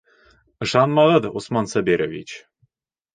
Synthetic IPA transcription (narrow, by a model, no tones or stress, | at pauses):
ɤ̆ʃɑnmɑʁɤd̪usmɑnsɑbeɾʲʔovʲit͡ɕ